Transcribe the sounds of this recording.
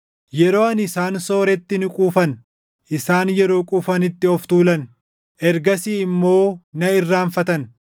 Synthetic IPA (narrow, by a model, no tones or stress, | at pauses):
jɛɾo̞ːɐnɪsaːnso̞ːɾɛt̪ːɪnɪkʼuːfɐn | ʔɪsaːnjɛɾo̞ːkʼuːfɐnɪt̪ːɪɔft̪uːlɐn | ʔɛɾɡɐsiːɪmːo̞ːnɐɪrːaːfɐt̪ɐn